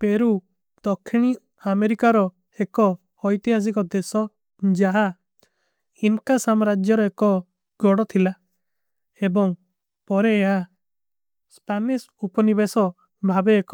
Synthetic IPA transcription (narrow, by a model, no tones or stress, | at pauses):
peɾu | d̪̥ɔkʰːiɽ̃i | ameɾikaɾɔ | ekɔː | jt̪iɦas̬ikɔd̪esɔ | d͡ʒaɦa | inkasamɾad͡ʒjɔɾɔekɔ | ɡɔɽɔt̪ʰila | ebɔŋ | pɔɾeːɦa | spanis | upɔnibesɔ | bʱabeːkɔ̥